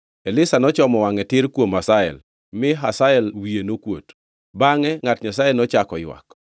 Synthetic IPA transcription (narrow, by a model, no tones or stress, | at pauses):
ɛlɪsanɔt͡ʃɔmɔwaŋɛtɪɾkwomasaɛ̰l | mɪɦasaɛlwienokwo̰t | baŋɛŋatɲasajɛnɔt͡ʃakɔjwa̰k